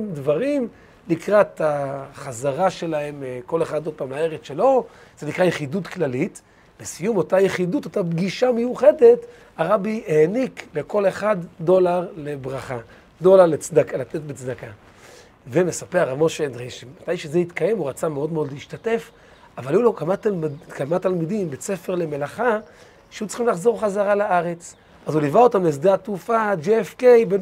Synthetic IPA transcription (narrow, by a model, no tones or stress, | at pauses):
mdvaʁim | likʁat̪aχazaʁaʃe̞lahe̞mko̞le̞χad̪od̚paːmlaeʁet͡sʃe̞lo̞z̥enikʁajeχidutklalit | besijumo̞tajeχiduto̞tabɡiʃamejuχe̞de̞t | aʁabieːnikle̞ko̞le̞χad̪ːo̞laʁle̞bʁaχa | do̞laʁlet͡sdakalatet̚bet͡sd̪aka | vemesapeaʁamoʃendʁeʃemmat̪ajʃezeit̪kaje̞muʁat͡sameo̞dmeo̞d̪liiʃtate̞f | avalijulokamatkamat̪almidimbe̞t͡sefe̞ʁle̞me̞laχa | ʃeut͡sχimlaχzo̞ʁχazaʁalaʔaʁe̞t͡s | ʔazulivaotamlesd̪aat̪ufad͡ʒeefkejben